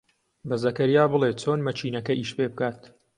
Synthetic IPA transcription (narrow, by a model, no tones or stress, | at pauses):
bɐzɐkɐɾijaːbɨlet̪̚t͡sʰoːnmɐt͡ʃiːnɐkɐʔiːʃpeːbɨkaːt̪̚